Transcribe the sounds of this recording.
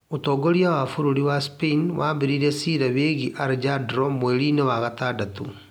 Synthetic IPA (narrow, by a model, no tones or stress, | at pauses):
otɔɡoɾiawafuɾuɾiwaspeinwabiɾiɾesiɾɛβeːɣiʔaɾd͡ʒadɾɔmoeɾinewaɣataːdat̪u